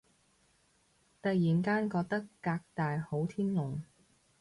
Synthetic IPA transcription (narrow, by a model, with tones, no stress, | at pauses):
t̪ɐ˨jiː˨˩nkaː˥nkɔː˧k̚t̪ɐ˥kːaː˧k̚t̪aː˨jho˨˥wt̪ʰiː˥nlʊ˨˩ŋ